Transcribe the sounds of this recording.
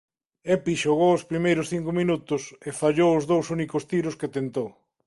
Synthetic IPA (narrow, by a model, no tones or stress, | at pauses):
ɛpiʃoɣowʊspɾimejɾʊsθiŋkʊminut̪ʊsefaʎowʊzðowsunikʊst̪iɾʊsket̪ent̪ow